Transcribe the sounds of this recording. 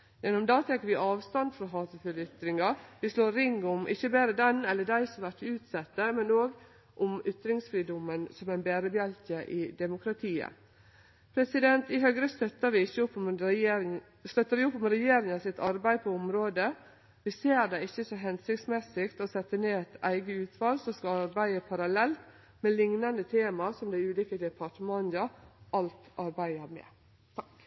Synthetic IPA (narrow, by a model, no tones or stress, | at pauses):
jɛnːʊmd̪ɑːt̪ʰɛkːəɾʋɪʔɑːʋst̪ɑnd̪fɾɔɦɑːt̪əfʏlʏt̪ɾɪŋɑɾʋɪsloːɾɾɪŋːʊmʔɪ̰çːəbæːɾəd̪ɛnɛlːəɖ̪æɪsɔmʋæʈ̪ɪʉːt̪sɛt̪ːəmɛnoːɡ | ʔʊmʏt̪ɾɪŋsfɾiːd̪ɔmənsɔmæɪnbeːɾəbjɛlkəʔɪd̪ɛmʊkɾɑt̪ʰiːə̰ | pʰɾɛsɪd̪ɛnt̪ɪɦœɡɾəst̪œt̪ːəɾʋɪɪçːəʊpːm | st̪œt̪ːəɾʋɪʊpːɔmɛɾɛjeːɾɪŋɑsɪt̪ɑɾbæɪpʰɔɔmɾoːd̪ə | ʋɪseːɾd̪ɛɪçːəsɔɦɛnsɪk̚t̪smɛsɪkt̪ɔsɛt̪ːəneːæt̪ʰæ̰ɪɡəʉːt̪ʰʋɑlsɔskɑɑɾbæɪəpʰɑɾɑlɛlt̪ | mɛlɪŋnɑnd̪ət̪ʰeːmɑsɔmd̪æɪʉːliːkəd̪ɛpʰɑʈmɑnd̪ɑʔɑlt̪ɑɾbæɪəɾmɛ̰